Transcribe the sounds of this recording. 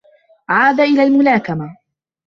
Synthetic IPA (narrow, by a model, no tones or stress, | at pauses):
ʕaːd̪aʔɪlaːlmʊlaːkama